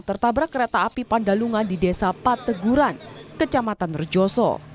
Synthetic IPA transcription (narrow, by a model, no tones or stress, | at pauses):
t̪ərt̪abɾakəɾet̪aːpipandaluŋandidesapat̪əɡuɾankət͡ʃamat̪anrəd͡ʒɔsɔ̰